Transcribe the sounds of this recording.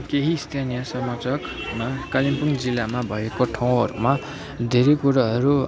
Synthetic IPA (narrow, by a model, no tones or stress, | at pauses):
keɦist̪ʰanijʌsʌmʌt͡sʌk | makalimpuŋd͡zilːamabʱʌekoʈʰaw̃ɦʌɾuma | d̪ʱeɾekuɾaɦʌɾu